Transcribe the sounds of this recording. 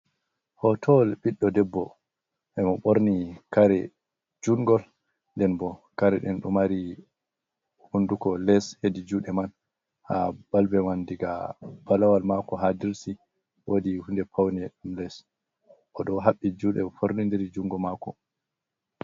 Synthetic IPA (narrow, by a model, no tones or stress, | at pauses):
hɔtʰɔlɓiɗːɔdɛbːɔ | ʔɛmɔɓoɾnikaɾɛ̰ | d͡ʒuŋɡɔl | ndɛnbɔkaɾɛɗɛnɗumaɾi | hundukɔlɛshedid͡ʒuɗɛman | ha̰b̥albɛmandiɡab̥alawalmakɔɦadiɾsi | wodihundɛpʰawnɛɗumlɛs | ʔɔɗɔɦaɓːid͡ʒuɗɛ̰fʰoɾnindɛɾd͡ʒuŋɡɔmakɔ